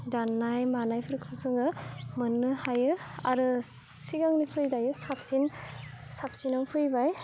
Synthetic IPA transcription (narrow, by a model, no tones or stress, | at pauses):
danːajmanajpʰɯɾɯkʰpsɯŋɯmɯnːɯhajɯ | aɾɯ | siɡaŋnipʰɯjdajɯsap̚sin | sap̚sinampʰɯjbaj